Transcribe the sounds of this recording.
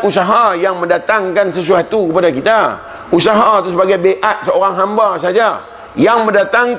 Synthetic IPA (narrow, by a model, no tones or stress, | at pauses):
usaɦajaŋmə̃ndat̪aŋkansəs̬uat̪ukəpadakit̪a | usaɦat̪usəbaɡajbeʔat̪̚səoɾaŋɦambasad͡ʒa | jaŋmə̃ndat̪aŋ